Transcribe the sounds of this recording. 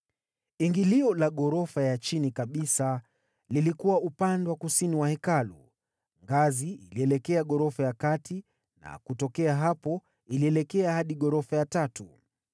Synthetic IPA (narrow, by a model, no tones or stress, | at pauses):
iŋɡiliɔlaɠɔɾɔfajat͡ʃinikaɓisa | lilikuwaupandwakusiniwahɛkalṵ | ŋɡaziiliɛlɛkɛaɠɔɾɔfajakatʰi | na̰kutɔkɛaɦapɔ | iliɛlɛkɛahaɗiɠɔɾɔfajatatu